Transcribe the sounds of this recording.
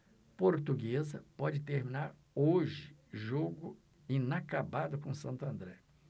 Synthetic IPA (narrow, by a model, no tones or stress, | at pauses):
poɾt̪uɡezɐpɔd͡ʒɪt̪eɾmĩnaɾ | oʒɪʒoɡʊ | ĩnakabad̪ʊkõsɐ̃nt̪ʊɐ̃nd̪ɾɛ